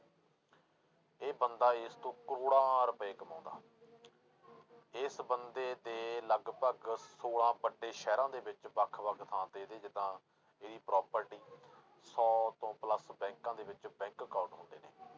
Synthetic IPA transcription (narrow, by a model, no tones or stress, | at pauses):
eːbənd̪aːɪst̪õːkəɾoːɽãːɾəpeːkəmã̰ːnd̪a̰ː | ɪsbənd̪eːd̪eːləɡpəɡsoːɽãːbəɖːeːʃɛːɾãːd̪eːbɪt͡ʃbəkʰʋəkt̪ʰãːt̪eːd̪eːd͡ʒɪd̪ãː | eːd̪iːpɾɔːpəɾʈiː | sɔːt̪õːpləsbɛ̃ːŋkãːd̪eːbɪt͡ʃbɛ̃ːŋkːaːʈɦʊ̃ːnd̪ḛːneː